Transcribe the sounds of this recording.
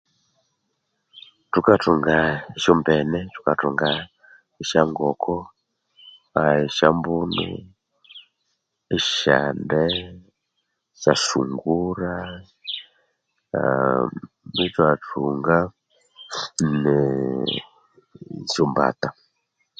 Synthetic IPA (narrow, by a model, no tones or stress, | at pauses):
tukatuŋɡaiʃɔmbɛnɛtu̥katuŋɡa | iʃaŋɡɔkɔ | aiʃambunṵ | iʃa̰ndɛ | ʃaʃuŋɡuɾa | mitwatuŋɡa | nɛ | ʃumba̰ta